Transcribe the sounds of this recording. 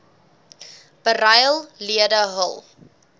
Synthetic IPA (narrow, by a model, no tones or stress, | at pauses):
b̥ərɐjəlˠliədəɦə̰lˠ